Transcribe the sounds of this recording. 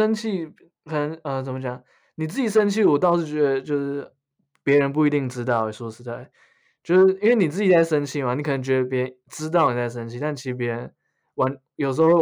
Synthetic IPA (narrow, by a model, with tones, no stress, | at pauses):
ə˥nt͡ɕʰi˥˩ | kʰə˨˩nə˧˥ŋə˧t͡sə˩mə˦t͡ɕjɑ˨˩˦ŋ | ni˨˩t͡s̩˥˩t͡ɕi˨˩ʂ̬ə˥nt͡ɕʰi˥˩wɔ˨˩t̪ɑ˥˧ʊʂɻ̩˥˩t͡ɕɥɛ˧˥d̪ə˧t͡ɕjo˥˧ʊʂɻ̩˥˩ | pjɛ˧˥ɻə˧˥np̬u˥˩i˧˥t̪i˥˩ŋʈ͡ʂɻ̩˥t̪ɑ˥˩ʊɛ˨˩ʂɔ˧˥ʂ̩˧˥t̪a˥˩ɪ | t͡ɕjo˥˧ʊʂ̩˥˩i˥nwe˥˩ɪni˨˩t͡sɹ̩˥˩t͡ɕi˨˩t͡sa˥˩ɪʂə˥nt͡ɕʰi˥˩ma˨ni˨˩kʰɤ˨˩n˧˦ŋt͡ɕɥɛ˧˥d̪ə˧pjɛ˧˥ə˧˦nʈ͡ʂɻ̩˥t̪̬ɑ˥˩ʊni˨˩t͡sa˥˩ɪʂ̬ə˥nt͡ɕʰi˥t̪a˥˩nt͡ɕʰi˧˥ʂ̩˧p̬jɛ˧˥ɻə˧˦n | wa˧˥n | jo˨˩ʊʂ̩˧˥o˧w